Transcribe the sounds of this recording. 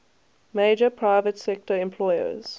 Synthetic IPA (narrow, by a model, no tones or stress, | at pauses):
meɪd͡ʒəpʰɹaɪvətsɛk̚təɹɛ̃mpʰl̥ɔɪə̰z̥